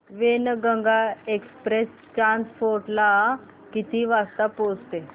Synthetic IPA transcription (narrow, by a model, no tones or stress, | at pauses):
ʋenɡəŋɡaekspɾes | ʈɾanspoɾʈla | kit̪iʋast̪apost̪e